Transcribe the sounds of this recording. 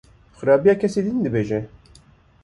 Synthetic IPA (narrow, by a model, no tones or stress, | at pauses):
xɨɾɑːbijɑːkʰʲɛsiːd̪ind̪ɨbeːʒɛ